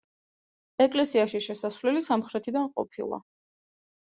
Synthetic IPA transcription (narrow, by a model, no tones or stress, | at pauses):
ɛkʼlɛsiaʃiʃɛsasvlɛlisamχɾɛt̪ʰid̪anqʼɔ̰pʰḭlˠa̰